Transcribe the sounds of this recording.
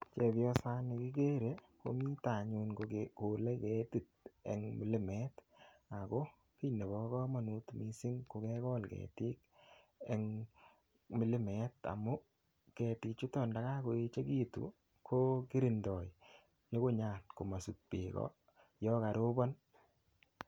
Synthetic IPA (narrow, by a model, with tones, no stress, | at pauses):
t͡ʃe˨pjɔ˦sa˦ne˨ki˦ɡe˦ɾe˨˦ | ko̰˨mi˦ta˨ɲu˧nkoko˨le˦ke˦ti˦t̚ḛ˨ŋmi˨lɪ˦mɛ˦t | a˨ko˦ | ki˦ne˨bɔ˨kɔ˦ma˨nu˦tmi˨˦sɪ˦ŋko˨ke˦kɔ˦lkḛ˨ti˦k̚ | e˨ŋ | mɪ˨lɪ˦mɛ˨ta̰˨mʊ˦ | ke˨ti˧k̚t͡ʃu˦tɔ˦˨nda˨ɣa˦ko˨e˦t͡ʃe˦ki˦tṵ˨ | kʰo˦ki˦ɾi˨ndɔ˨j | ɲo˦ko˦ɲa˨tko˨ma˨su˨t̚pḛ˨kɔ̰˦ | jɔ˦ka˨ɾo˦bɔ˦n